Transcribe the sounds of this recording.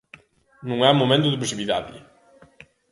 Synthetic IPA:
nũŋɛmomẽnt̪uðɪp̬ɾsiβiðaðɪ̰

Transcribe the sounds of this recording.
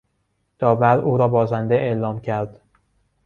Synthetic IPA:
d̪̥ɒːvæɾuːɾɒːbɒːzænd̪eʔelɒːmcʰæɾd̪̥

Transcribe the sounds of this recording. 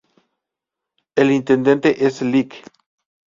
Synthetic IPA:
elint̪end̪ẽ̞nt̪eʔeslik

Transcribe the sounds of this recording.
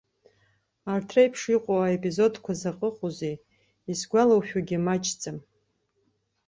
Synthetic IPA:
artʰrejpʰʂiqʷʼowaepʼizo̞dkʷʰazaqʼəqʼuzej | isɡʷalawʃᶣaɡʲɪmat͡ʃʰʼt͡sʼam

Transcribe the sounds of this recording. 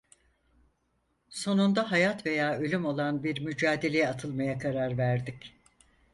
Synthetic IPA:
so̞nund̪aɦajat̪ve̞jaːø̞lʲymo̞lˠanbiɾmyd͡ʒaːd̪e̞lʲe̞jɛat̪ʰɯlˠmajakʰaɾaɾvæɾd̪ic

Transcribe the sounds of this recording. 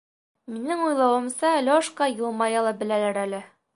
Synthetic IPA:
minɘŋujlˠɑwɤ̆msɑlʲoʃqɑjɤ̆lˠmɑjɑlˠɤbɘ̆lælæɾælɘ

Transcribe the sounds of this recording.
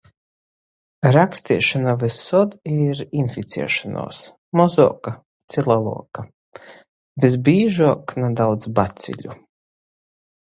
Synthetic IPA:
ɾakst̪iɛʃanavɛsːɔd̪iɾinfit̪sɛ̰ːʃanṵːs | mɔzɔːka | t̪silˠalˠṵɔka | vizbiːʒuɔknad̪awd̪zbat̪sʲḭʎʲṵ

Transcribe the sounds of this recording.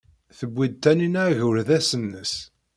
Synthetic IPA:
θəbːid̪̚t̪ːæninaʕʝʊɾðæsənːəs

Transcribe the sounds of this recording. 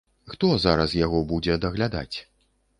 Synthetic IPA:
xt̪ɔzaɾɐsjaɣɔbud͡zʲɛd̪ɐɣlʲad̪a̰t͡sʲ

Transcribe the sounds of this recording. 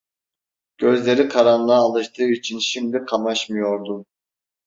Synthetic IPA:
ɟ̥ø̞zlʲe̞ɾikʰaɾanlˠaːlˠɯʃt̪ʰɯːit͡ʃʰinʃimd̪ikʰamaʃmɯjo̞ɾd̪u

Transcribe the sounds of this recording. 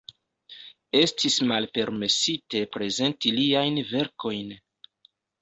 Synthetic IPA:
e̞stʰismalpe̞ɾme̞site̞pɾe̞ze̞ntiliajnve̞ɾko̞jn

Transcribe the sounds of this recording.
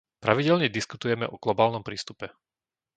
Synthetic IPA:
pɾaʋiɟɛʎɲɛd̪iskut̪ujɛmɛʔɔɡlɔbaːlnɔmpɾiːst̪upɛ

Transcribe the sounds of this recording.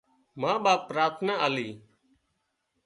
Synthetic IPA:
mãːɓaːpːɾaːɾt̪ʰnaːaːliː

